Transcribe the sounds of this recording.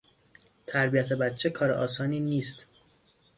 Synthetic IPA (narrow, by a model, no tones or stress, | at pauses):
t̪ʰæɾbijæt̪ʰe̞bæt̪t͡ʃʰekʰɒːɾeʔɒːsɒːniːniːst̪